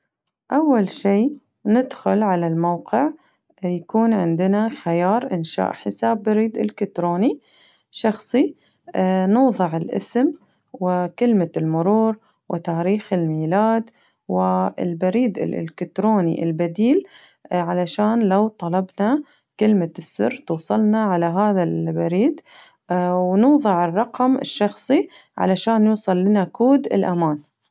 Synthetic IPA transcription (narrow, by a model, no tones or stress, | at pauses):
ʔawːalʃiː | nɪd̪xʊlʕalalmawqɪʕ | jakuːnʕɪnd̪ɪnaxajɑːɾˤʔɪnʃa̰ːʔħɪsaːbːaɾiːd̪ɪlkɪt̪ɾoːni | ʃɑxsˤi | nuːðˤɨʕɪlʔɪ̰sm | wɪkɪlmalmʊɾuːɾ | wʔɪt̪aːɾiːxɪlmiːlaːd̪ | wɪɪ̰lbaɾiːd̪ɪ̰lʔɪ̰lkɪt̪ɾoːnḭʔɪ̰lbad̪iːl | ʕalaʃaːnlawt̪ˤɑlɑbna | kɪlmasːɪ̰rːt̪uːsˤɑlnaʕalaɦaːðalbaɾiːd̪ | wnuːðˤɨʕɪrˤːɑqmɪ̰ʃːɑxsˤi | ʕa̰laʃaːnjuːsˤɑlːɪnakuːd̪ɪ̰lʔamaːn